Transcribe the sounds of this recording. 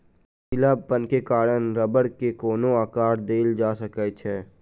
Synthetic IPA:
sɪlaːbpənkekaːɽənɾəbəɽkekoːnõaːkaːɾd̪eːld͡ʒaːsəkɛt͡ʃʰɛː

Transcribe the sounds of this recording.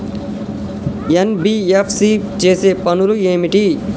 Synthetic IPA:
enbiːepʰsit͡ʃeːseːpɐnulueːmiʈi

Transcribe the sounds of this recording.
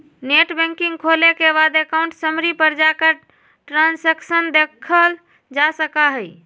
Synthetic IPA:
neʈbɛ̃ŋkiŋɡkʰolekebad̪ekaʊ̃ɳʈsəmɾipəɾd͡ʒakə | ʈɾãnseksənd̪ekʰəl | d͡ʒasəkaɦəj

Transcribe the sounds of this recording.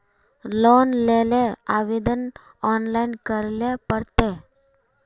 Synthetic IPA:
lonleleaʋed̪ən | ɔnlainkəɾlepəɾt̪e

